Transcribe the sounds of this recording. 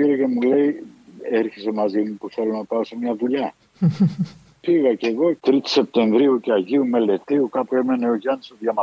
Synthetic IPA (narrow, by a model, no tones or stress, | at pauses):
piɾece̞mule̞ieɾçise̞mɐzimupuθe̞lonɐpɐo̞semɲɐðuʎɐ | piɣɐce̞ɣo̞t̪ɾit̪i̥se̞p̚t̪e̞ɱvɾiuceɐʝiume̞le̞t̪iukɐpue̞me̞neoʝɐnsoðʝɐmɐ